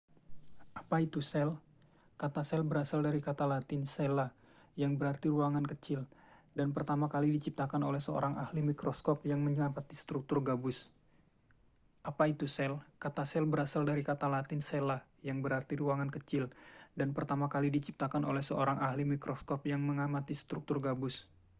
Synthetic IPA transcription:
ʔapait̪usɛl | kat̪asɛlbəɾasaldaɾikat̪alat̪ɪnsɛla | jaŋbəɾart̪iruaŋankət͡ʃɪldanpərt̪amakalidit͡ʃip̚t̪akanolɛhsəo̰ɾaŋahlimikɾoskɔpjaŋməɲəapat̪ist̪ɾuk̚t̪ʊrɡabʊs | ʔapait̪usɛlkat̪asɛlbəɾasaldaɾikat̪alat̪ɪnsela | jaŋbəɾart̪iɾuaŋankət͡ʃɪldanpərt̪amakalidit͡ʃip̚t̪akanolɛhsəoɾaŋʔahlimikɾɔskɔpjaŋməŋamat̪isə̥t̪ɾuk̚t̪ʊrɡabʊs

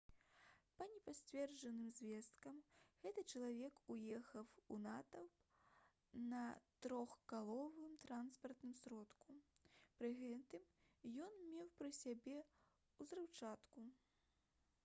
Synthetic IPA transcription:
pɐnʲɛpasʲt͡sʲvʲɛrd͡ʐɐnɨmzʲvʲɛst̪kɐmɣɛt̪ɨt͡ʂɐlˠavʲɛkujɛxɐwunat̪ɐ | nɐt̪ɾɔxkalˠɔvɨmt̪ɾanspɐrt̪nɨmsɾɔt̪kupɾɨɣɛt̪ɨm | jɔnmʲɛwpɾɨsʲabʲɛ | uzɾɨwt͡ʂat̪ku

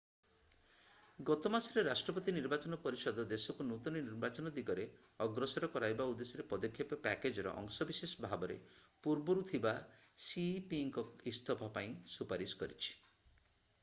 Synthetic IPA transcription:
ɡɔt̪ɔmasɔɾeɾasʈɾɔpɔt̪iniɾbat͡ʃɔnɔpɔɾisɔd̪ɔd̪esɔkunut̪ɔnɔniɾbat͡ʃɔnɔd̪iɡɔɾe | ɔɡɾɔsɔɾɔkɔɾajbaud̪esɔɾepɔd̪ɔkʰːjɔpɔpɛked͡ʒɔɾɔ̰ʔɔ̰ŋsɔbisesɔbʱabɔɾḛ | puɾbɔɾut̪ʰiba | sipiŋkɔist̪ʰɔbʱapaĩsupaɾisɔ̥kɔɾit͡ʃʰi̥

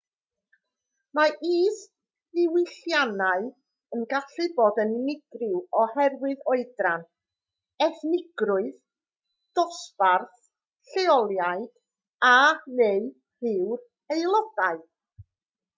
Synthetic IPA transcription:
maʔiːs | ɪwɪɬjanaɨ | ənɡaɬɨbɔdənnɪɡrɪwɔhɛrwɨðɔɨdran | ɛθnɪɡrʊɨð | d̥ɔsparθ | ɬeɔlˠjaɨd̥ | anej | rɪwr | ejlˠɔdaɨ

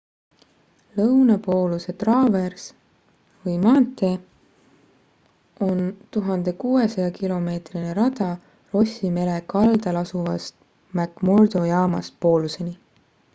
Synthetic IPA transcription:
lɤwnɑpo̞ːluse̞t̪rɑːve̞rs | vɯjmɑːnt̪ːˑe̞ | o̞nt̪uɦɑnd̪̥e̞kuːe̞sɑjɑkilo̞me̞ːt̪rine̞ɾɑd̪̥ɑ | ro̞sʲime̞le̞kɑld̪̥ɑlɑsuvɑst̪ | mækmo̞rd̪̥o̞jɑːmɑ̰st̪̚po̞ːluse̞ni

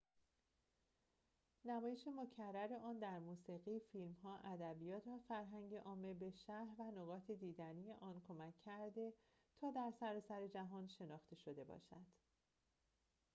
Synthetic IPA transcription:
næmɒːje̞ʃe̞mo̞cʰærːæɾe̞ʔɒːnd̪æɾmuːsiːɣiːfilmɦɒːʔæd̪æbijɒːt̪ʰvæfæɾɦæŋɟeʔɒːmelbe̞ʃæhɾvænoɣɒːt̪ʰed̪iːd̪ænije̞ʔɒːnkʰo̞mæcʰːæɾd̪e̞ | t̪ʰɒːd̪æɾsæɾɒːsæɾe̞d͡ʒæɦɒːnʃe̞nɒːxt̪ʰe̞ʃo̞d̪e̞bɒ̰ːʃæd̪̥

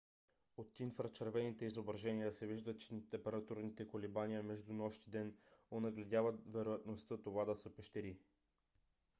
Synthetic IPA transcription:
ot̪infɾət͡ʃɐɾvɛnit̪ɛizobɾɐʒɛnijəsɛviʒd̪ət͡ʃɛt̪ɛmpɛɾɐt̪uɾnit̪ɛkolibanijəmɛʒd̪unɔʃt̪id̪ɛnonɐɡlɛd̪ʲjavət̪vɛɾojɐt̪nost̪ɤt̪ovad̪ɐsəpɛʃt̪ɛɾi

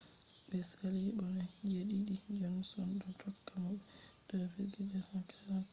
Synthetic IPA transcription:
bɛsalibɔnɛd͡ʒeɗiɗid͡ʒɔnsɔnɗɔtʰɔkːamabɛ | d̥ɔfɛbɛd͡ʒasakʰaɾa

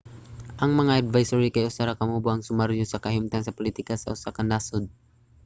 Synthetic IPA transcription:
ʔɐŋmɐŋaʔɐd̪vajsɔɾikajʔʊsaɾakɐmubʊʔɐŋsʊmaɾjosɐkɐhimt̪aŋsɐpʊlit̪ikasɐʊsakɐnlaːsʊd̪̚

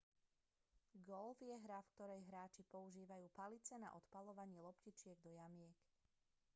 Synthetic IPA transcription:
ɡɔlfjɛɦɾafk̚t̪ɔɾɛjɦɾaːt͡ʃipɔuʒiːʋajuːpalit͡sɛna̰ʔɔt̪palɔʋaɲɪɛlɔpcit͡ʃɪɛɡ̚d̪ɔjamɪɛk

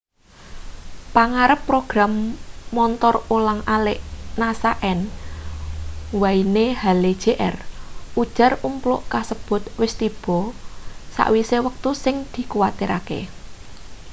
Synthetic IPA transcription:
paŋaɾəpːɾoɡ̥ɾamːɔnt̪ɔrolaŋalɪʔnasaʔɛn | wainehaled̥ʒ̥eʔɛ̰rud̥ʒ̥ä̤rumplʊʔkasəb̥ʊ̤t̪̚wɪst̪ib̥ɔ̤sa̰ʔwisewək̚t̪usɪŋd̪̥i̤kuwat̪iɾakḛ

